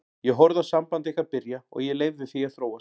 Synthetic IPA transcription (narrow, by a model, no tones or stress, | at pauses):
jɛɦɔɾðasampant̪ɪehkapɪɾjaɔ̰ɣjɛleːjvðɪθiaðθɾoːwa